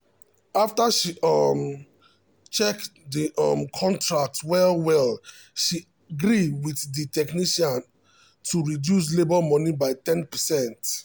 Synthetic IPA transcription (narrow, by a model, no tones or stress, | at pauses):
aftaʃiɔm | t͡ʃɛkdiʔɔ̰mkʰɔ̃ntɹak̚twɛlwɛl | ʃiaɡɹiwiθditɛkniʃãn | tʰuɹidjus̬lebɔlmɔnibaɪtɛ̃npəsɛ̃nt